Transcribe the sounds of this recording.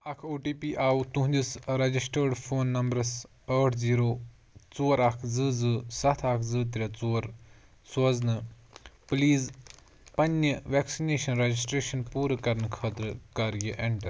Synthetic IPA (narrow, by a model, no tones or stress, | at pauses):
ɐkʰoːʈiːpiːʔaːut̪ũɦũnʲd̪ʲisɾɐd͡ʒisʈəːɾɖfʰoːnːɐmbɾɐs | əːʈʰziːɾoː | t͡soːɾakʰzɨːzɨːsɐt̪ʰaːkʰzɨːt̪̬ɾʲɐt͡soːɾ | soːznɨ | pliːz | pɐnːjəʋɛːksineːʃɐnɾɐd͡ʒisʈɾeːʃɐnpuːɾkɐɾənkʰəːt̪ɾkaɾjəʔeɳʈɐɾ